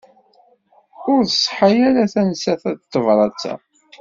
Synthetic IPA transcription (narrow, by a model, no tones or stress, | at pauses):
ʊɾθəsˤħajæɾæθænsæθædt̪ːəvɾˤɑt͡sːæ̰